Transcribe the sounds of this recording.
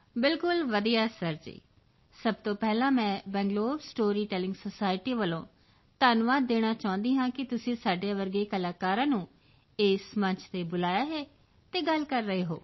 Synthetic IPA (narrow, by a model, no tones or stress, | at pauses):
bɪlkʊlʋəd̪ijaːsəɾd͡ʒḛː | səbt̪õːpɛːlãːmɛ̃ːbɛ̃ːŋɡloːbsʈoːɾiːʈɛːlɪ̃ŋɡsoːsaːɪʈiːʋəlõː | t̪aːnʋaːd̪̚ːeːɽ̃aːt͡ʃaːʊ̃nd̪iːɦãːkɪt̪ʊsĩːsaːɖejaːʋəɾɡeːkəlaːkaːɾãːnũː | eːsmə̃ɲt͡ʃʰt̪eːbʊlaːjaːɦɛː | t̪eːɡəlkəɾːəɦeːɦo̰ː